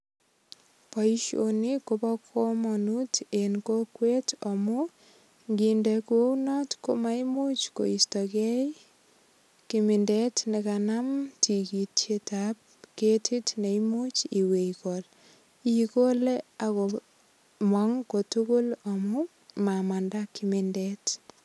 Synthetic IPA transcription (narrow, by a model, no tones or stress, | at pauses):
paiʃo̰nikopɔkʰomɔnutenkokwetɔmʊ | ŋɡindekuownɔtkomaimut͡ʃko̰istɔkɛj | kimɪndetnɪkanamtʰikitetap̚ketʰitneimut͡ʃiwekɔl | ikoleakɔ | maŋkotukulomu | mamandakːimindɛt